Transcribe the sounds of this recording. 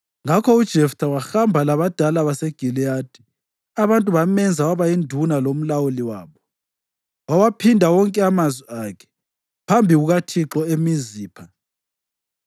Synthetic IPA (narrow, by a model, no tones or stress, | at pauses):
ŋakʰɔud̥ʒ̥ʱɛftʰawaxambʱalaβad̥ʱalaβaseɡ̥ʱilijad̥ʱi̥ | aβantʼuβamɛnd͡zʱawaβaindʱunalom̩lawuliwaːβɔ | wawapʰindʱawɔŋkʼɛamazwiakʰɛ̥ | pʰambʱiɣuɣatʰiǁɔemiziːpʰa